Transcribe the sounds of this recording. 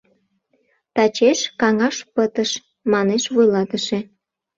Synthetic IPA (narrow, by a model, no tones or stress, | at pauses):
t̪ɑt͡ɕeʃkɑŋɑʃpət̪əʃ | mɑneʃvujlɑt̪əʃe